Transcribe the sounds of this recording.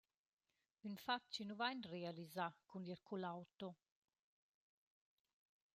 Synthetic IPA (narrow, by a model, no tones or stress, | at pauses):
ynfat͡ʃːinuvajnrealizakuniɾkulawt̪o